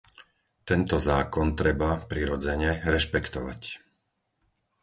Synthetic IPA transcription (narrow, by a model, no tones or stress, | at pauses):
t̪ɛnt̪ɔzaːkɔnt̪ɾɛbapɾiɾɔd͡zɛɲɛɾɛʃpɛkt̪ɔʋa̰c